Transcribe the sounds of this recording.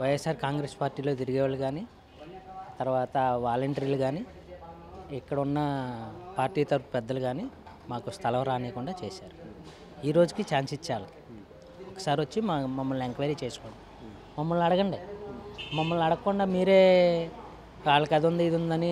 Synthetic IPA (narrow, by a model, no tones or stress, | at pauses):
ʋɐjesaːɾkaːŋɡɾeːspaːɾʈiːlo̞ːt̪iɾiɡɛːʋaliɡaːni | t̪ɐɾʋaːt̪ɐʋaːlɐɳʈɐɾiːluɡaːni | ikːɐɽɐunːɐpaːɾʈiːt̪ɐɾpupɛd̪ːɐluɡaːni | maːkust̪ʰɐlɐmɾaːneːkuɳɖaːt͡ʃeːsaːɾu | iːɾo̞ːd͡ʒukit͡ʃaːnsit͡ʃːaːlɐi̥ | ɔkːɐ̥saːɾiʋɐt͡ʃːimamɐmːɐlneŋkʋaːɾiːt͡ʃeːsu̥koːɳi | mɐmːɐlnɐɽɐɡɐɳɖi | mɐmːɐlnɐɽɐkːuɳɖaːmiːɾe̞ː | aːɭːɐkɐd̪ond̪iid̪und̪ɐni